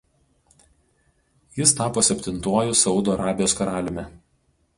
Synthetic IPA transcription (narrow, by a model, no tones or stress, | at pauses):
jɪst̪ɑːpoːsʲɛpʲt̪ʲɪnt̪uɔjʊsɒʊd̪oːɐɾɑːbʲɪjoːskɐɾɑːlʲɪmʲɛ